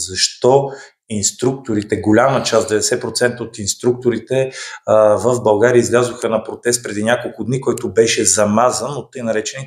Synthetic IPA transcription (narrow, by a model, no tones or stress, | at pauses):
zɐʃt̪ɔ | inst̪ɾuk̚t̪oɾit̪ɛɡolʲamət͡ʃasd̪ɛvɛd̪ɛsɛpɾot̪sɛnt̪əot̪inst̪ɾuk̚t̪oɾit̪ɛ | vəvbɐlˠɡaɾiəizlʲazoxənɐpɾot̪ɛst̪̚pɾɛd̪inʲakolˠkʊd̪nikɔjt̪ʊbɛʃɛzɐmazənot̪ːɤjnɐɾɛt͡ʃɛni